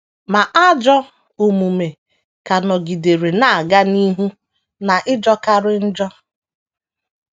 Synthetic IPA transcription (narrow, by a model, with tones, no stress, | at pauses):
ma˨ʔa˦d͡ʒɔ˦ | o˨mu˨me˨ | ka˨nɔ˨ɡi˨de˨ɾe˨na˨a˨ɡa˦ni˦ɦu˦ | na˨ʔɪ˦d͡ʒɔ˦ka˦ɾɪ˦n̩˦d͡ʒɔ˦